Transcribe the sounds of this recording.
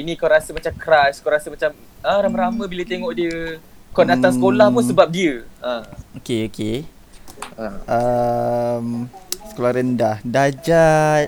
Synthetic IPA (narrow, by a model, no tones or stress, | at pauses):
inĩkawɾasəmat͡ʃamkɾaskawɾasəmat͡ʃam | əɾamə̃ɾamə̃bilət̪eŋɔʔdiə | kadat̪asəkolahmusəbap̚diəəokeoke | əə | msə̥kolahɾəndahdad͡ʒa